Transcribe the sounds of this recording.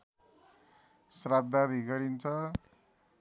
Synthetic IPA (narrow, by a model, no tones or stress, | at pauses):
srad̪̚d̪ad̪ʱiɡʌɾint͡sʰʌ